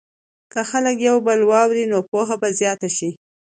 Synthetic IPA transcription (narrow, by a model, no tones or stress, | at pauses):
kəxaləkjawbəlwɑwɾinopoɦabazjɑt̪aʃi